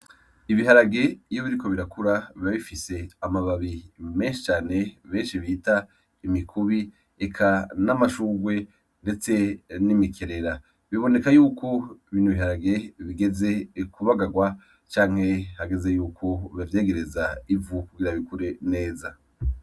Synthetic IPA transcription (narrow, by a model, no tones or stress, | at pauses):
iβiɦaɾaɡe̞joβiɾiko̞βiɾakʰuɾaβiaβifise̞amaβaβime̞ːnʃi̥t͡ʃaːne̞βe̞ːnʃiβita | imikʰuβi | ekʰanamaʃuːɡwe̞ | nde̞t͡se̞nimikʰe̞ɾe̞ɾa | βiβo̞ne̞kajuːkʰo̞iβiːnuβiɦaɾaɡe̞βiɡe̞ze̞kʰuβaɡaɡwa | t͡ʃaːŋ̥he̞haɡeze̞juːkʰo̞βavje̞ːɡe̞ɾezaivukuɡiɾaβikuɾe̞ne̞ːza